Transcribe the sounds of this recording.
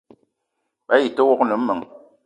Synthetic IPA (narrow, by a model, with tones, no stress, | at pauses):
ɓa˦ji˨tə˦wɔ˦knɨ˨m̩˦mɨ˨ŋ